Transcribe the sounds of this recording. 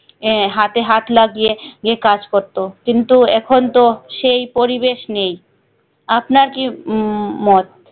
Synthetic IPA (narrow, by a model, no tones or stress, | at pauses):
ɦat̪eɦat̪laɡieɡekad͡ʑkoɾt̪okint̪uɛkʰont̪oʃejpoɾibeʃnej | apnaɾki | mɔt̪̚